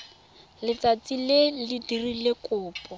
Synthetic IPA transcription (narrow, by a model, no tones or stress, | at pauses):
lɪt͡sat͡silelidirilɪkʊːpʼɔ